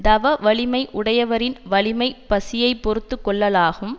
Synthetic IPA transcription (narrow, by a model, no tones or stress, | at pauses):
d̪ɐʋɐʋɐɭɪmɐɪʔʊɽɐjɐʋɐɾɪnʋɐɭɪmɐɪpɐsɪjɐɪpːɔɾɯt̪ːɯkːɔɭːɐlaːɣɯm